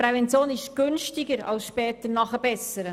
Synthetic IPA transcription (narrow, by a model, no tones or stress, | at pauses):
ɾɛvɛnt͡sjoːnɪʃɡ̥ʏnʃtiɡəɾɑ̰lsʃpɛːt̪əɾnɑχəb̥ɛsəɾə